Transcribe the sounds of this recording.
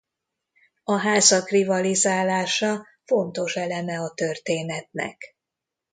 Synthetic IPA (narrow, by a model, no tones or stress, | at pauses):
ɒɦaːzɒkrivɒlizaːlaːʃɒ | fo̞nt̪o̞ʃɛlɛmɛɒt̪ørt̪eːnɛt̪nɛ̰k